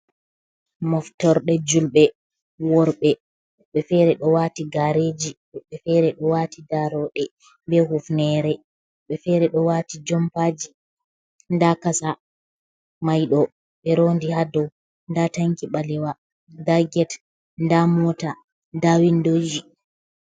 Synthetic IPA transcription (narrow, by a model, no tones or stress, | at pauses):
mɔftɔɾɗɛd͡ʒulɓɛ | wɔɾɓɛ | ɓɛfɛɾɛɗɔwatiɡaɾed͡ʒi | ɔɓɛfɛɾɛɗɔwaːtidaɾɔɗɛ | mbɛɦufnɛɾɛ | ɓɛfɛɾɛɗɔwaːtid͡ʒɔmpad͡ʒi | ndakasa | majɗɔ | ɓɛɾondihadɔw | ndataŋkiɓalɛwa | daɡɛt | ndamɔta | dawindoji